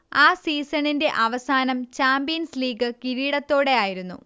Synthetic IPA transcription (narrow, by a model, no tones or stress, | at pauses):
aːsiːsɐninde̞ʔɐʋɐsaːnɐmt͡ɕaːmbijɐnsliːɡɨkiɾiːɽɐt̪ːo̞ːɽe̞aːjiɾunːṵ